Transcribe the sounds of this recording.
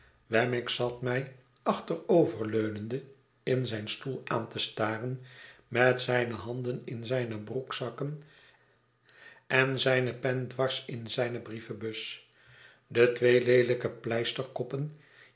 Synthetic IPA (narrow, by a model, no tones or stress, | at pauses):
ʋɛmɪksɑtmɛj | ɑχtərowvəɹløɥnəndə | ɪnzɛjnstulˠa̰ːntəstaːrənmɛtsɛjnəɦɑndənɪnzɛjnəbruksɑkən | ɛnzɛjnəpɛndʋɑɹsɪnzɛjnəbrifəbɵs | dətʋejlejdləkəplɛjstəɹkɔpən